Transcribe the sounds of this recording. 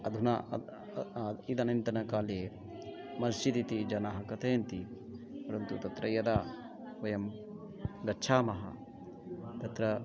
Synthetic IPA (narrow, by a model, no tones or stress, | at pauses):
ɐd̪ʱuna | id̪ɐnɐnt̪ɐnɐkaːleː | mɐst͡ʃit̪it̪id͡ʒɐnaːɦɐkɐt̪ʰeːɐnt̪i | pɐɾɐnt̪ut̪ɐt̪ɾɐjɐd̪aː | ʋɐjɐm | ɡɐtːt͡ʃʰaːmɐɦɐ̰ | t̪ɐt̪ɾɐ